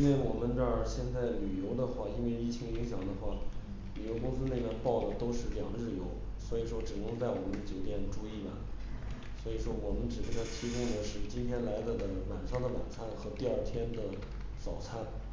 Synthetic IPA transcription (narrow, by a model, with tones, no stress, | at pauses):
i˥nwe˥˩ɪwɔ˨˩mə˦nʈ͡ʂə˥˩ɕjɛ˥˧nt͡sa˥˩ɪly˨˩jo˧˥ʊd̪ə˧xwa˥˩i˥nwe˥˧ɪi˥˩t͡ɕʰi˧˥ŋi˧˥ŋɕjɑ˨˩ŋd̪ə˦xwa˥˩ | ly˨˩jo˧˥ʊkʊ˥ŋsɹ̩˥ne˥˧ɪna˥˧npɑ˥˩ʊlə˩t̪o˥ʊʂɻ̩˥˧ʈ͡ʂɤ˥˧˩jɑ̰˨˧ŋɻɻ̩˥˩jo˧˥ʊ | swɔ˧˥i˨˩ʂwɔ˥ʈ͡ʂɻ̩˨˩nɤ˧˥ŋt͡sa˥˩ɪwɔ˨˩mə˦n˧t͡ɕjo˨˩ʊt̪̬jɛ˥˩nʈ͡ʂu˥i˥˩lɐ̰˨˩ | swɔ˧˥i˨˩ʂwɔ˥wɔ˨˩mə˦nʈ͡ʂɻ̩˨˩ə˥˩t̪ʰɑ˥˩t̪ʰi˧˥kʊ˥˩ŋd̪ə˩ʂɻ̩˥˩t͡ɕi˥nt̪ʰjɛ˥nla˧˥ɪd̪ə˧d̪ə˧˩ma˨˩nʂɑ˥ŋd̪ə˨ma̰˨˩nt͡sʰa˥˩nxɤ˧˥t̪i˥˧a˞˥˧t̪ʰjɛ˥nd̪ə˨ | t͡sɑ˨˩ʊt͡sʰa˥˩n